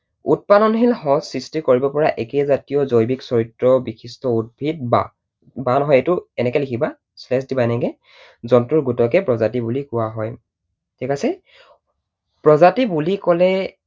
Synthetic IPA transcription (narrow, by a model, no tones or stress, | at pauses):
ṵt̚panɔnɦilhɔsistikoɹibɔpɔɹaʔekɛzatijɔzojbiksɔɹitɹɔbixʰistɔud̚bʱit̚ba̰ | banɔɦɔjetʊɛnɛkɛlikʰiba | slɛsdibajnɛɡɛ | zɔntuɹɡutɔkɛpɹɔzatibulikʊwaɦɔj | tʰikasɛ | pɹɔzatibulikɔlɛ